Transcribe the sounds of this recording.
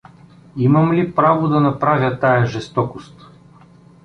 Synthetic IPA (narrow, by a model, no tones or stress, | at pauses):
imɐmlipɾavod̪ɐnɐpɾavʲjɐt̪ajɐʒɛst̪ɔkost̪